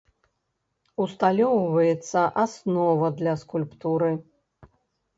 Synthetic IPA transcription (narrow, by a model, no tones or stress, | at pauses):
ust̪alʲɔwvɐjɛt̪sːɐʔasnɔvɐd̪lʲɐskulʲpt̪uɾɨ